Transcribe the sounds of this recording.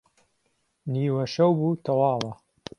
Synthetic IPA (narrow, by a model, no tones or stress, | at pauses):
niːwɐʃɐwbuːt̪ʰɐwɑːlɐ